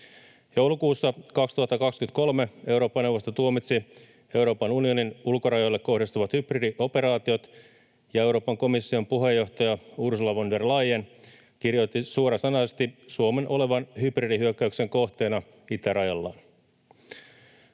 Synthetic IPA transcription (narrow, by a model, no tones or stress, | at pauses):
jowlukuːsːɑkɑkst̪uɑt̪ːɑkɑkskyt̪ko̞lmee̞uɾo̞ːpːɑne̞wʋost̪ot̪uomit̪si | e̞wɾo̞ːpɑnunio̞ninulkoɾɑjolːekkːo̞ɦhdist̪uʋɑt̪hypridiʔo̞pe̞ɾɑːt̪io̞t̪ | jɑe̞uwɾo̞ːpɑŋko̞misːio̞mpuɦe̞jːo̞ht̪ɑjɑursulɑʋonderlɑjen | kirjot̪ːisuoɾɑsɑnɑsest̪isuome̞nʔo̞le̞ʋɑnhypridiɦyøkːæykse̞ŋko̞ht̪eːnɑ | it̪æɾɑjɑlːɑ̰ːn